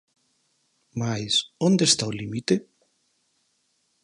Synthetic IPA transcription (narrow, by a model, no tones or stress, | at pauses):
majsond̪est̪aolimit̪e